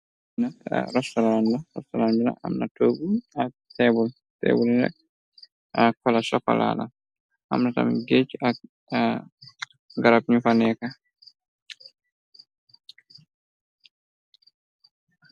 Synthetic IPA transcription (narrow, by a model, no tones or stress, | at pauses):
na̰ɾɔstɔɾandaɾɔ̰ftɔlanduna̰ʔa̰mnatoɡua | tɛbɔ | tɛ̰bulina̰ | akɔlasɔkːɔ̰la̰la̰ | ʔa̰mnata̰mɡet͡ʃːia | ɡaɾap̚ɲufanɛka